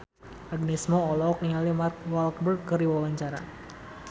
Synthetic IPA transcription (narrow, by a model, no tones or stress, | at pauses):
aɡ̚nɛsmɔɔlɔk̚niŋalimark̚walkbərkəriwawaɲt͡ʃaɾa̰